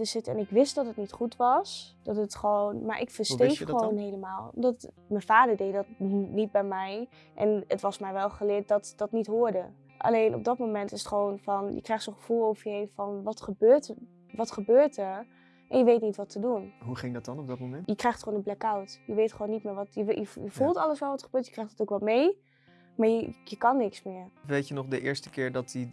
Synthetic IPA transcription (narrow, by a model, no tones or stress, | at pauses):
əsɪtɛnɪkʋɪstdɔtɦətnitχutʋɑsd̥ɔtətχəʋoːnmaːɹʔɪ̰kfəɹstekχəʋownɦejləmaːlˠdɔt | mənfaːdəɹdejdɔtnit̚bɛjmɛj | ʔɛ̰nətʋɑsmɛjʋɛlˠχəlɪːɹt̚dɔtdɑtnitɦʊːɹdə | ʔa̰lejnʔɔ̰b̚dɑtmomɛntɪsətχəʋonfɔnjə̰krɛjχtsoːnχəfulˠowvəejnfɔnʋɑtχəbøːɹtə | ʋɑtχəbøːɹtəɹ | ʔɛnjəʋejtnitʋɑtʰədunɦuχɪŋdɑtɑnɔb̚dɑt̚momɛnjəkrɛjxχtχoːnə̃mblɛkawtjəʋejtχəʋoːnːitmɪːɹʋɑtjəjəjəfulˠtɑlˠəsʋɛlˠʋɑtχəb̥øːɹtjəkrɛjχtətowkʋɑlˠmej | maːɹjəjəkɑnːɪksmɪːɹʋejtjənɔχdəʔɪːɹstə̥kɪːɹdɑti